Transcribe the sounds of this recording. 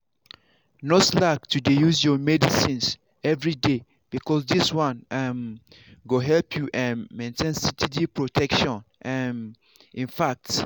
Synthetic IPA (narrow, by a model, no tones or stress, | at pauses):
nɔslak̚tʰudejuzjɔmɛdisĩns | ɛvɹide | b̥ikʰɔsdiswãnɛm | ɡoɦɛlpʰjuʔɛ̃nmẽntʰẽnsitʰidipɹotʰɛkʃɔ̃nɛm | ĩnfak̚t